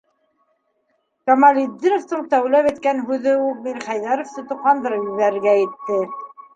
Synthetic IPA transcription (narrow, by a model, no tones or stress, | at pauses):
kɐmɑlʲid̪ʲːinŏft̪ɤɴt̪æwlæpæjt̪kænɦʉðɘumiɾχæjðæɾŏft̪ɤ̆t̪ŏqːɑnd̪ɤɾpjɵβæɾɘ̆ɾɡæjɘ̆t̪ːɘ